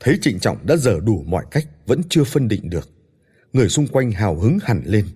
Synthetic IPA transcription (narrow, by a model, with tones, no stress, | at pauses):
t̪ʰe˨˦t͡ɕḭ˧˨ŋ̟t͡ɕɔ̰˧˨wŋ͡mɗa̰ː˧˥zəː˧˩ɗu˧˩mɔ̰˧˨jka˦˥jk̟̚və̰˧˥nt͡ɕɨ˧əfə˧nɗḭ˧˨ŋ̟ɗɨ˨˩ək̚ | ŋɨ˨˩əjsʊ˧ŋ͡mkwa˧jŋ̟ɦaː˨˩wɦɨ˨˦ŋha˨˩nle˧n